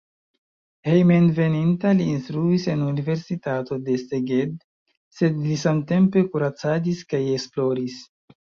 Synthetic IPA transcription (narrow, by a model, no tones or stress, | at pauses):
hejmenve̞nintaliːnstɾuise̞nunive̞ɾsitato̞de̞seɡed | se̞dlisamte̞mpe̞kuɾat͡sadiskaje̞ksplo̞ɾis